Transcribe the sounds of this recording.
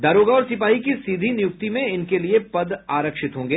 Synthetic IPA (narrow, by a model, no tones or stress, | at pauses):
d̪ɐɾoːɡaɔːɾsɪpaːɦikisiːd̪ʱinɪjʊk̚t̪imẽɪnkeliepɐd̪aːɾəkʃɪt̪ɦõːŋɡeː